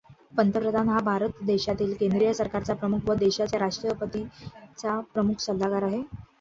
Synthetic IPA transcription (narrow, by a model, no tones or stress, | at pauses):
pənt̪əpɾəd̪ʱanɦabʱaɾət̪d̪eɕat̪iːlkend̪ɾijəsəɾkaɾt͡sapɾəmukʰʋəd̪eɕat͡ɕjaɾaʂʈɾəpət̪it͡sapɾəmukʰsəd̪ːakaɾaɦe